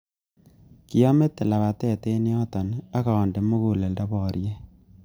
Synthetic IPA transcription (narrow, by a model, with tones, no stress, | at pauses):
ki˨ɔ˦me˦tːe˨la˨βa˨tɛ˦˨te˦ni˦ɔ˦tɔ˨na˦kaː˨nde˨mu˦ku˨le˨ldɔ˦bɔ˨ɾje˦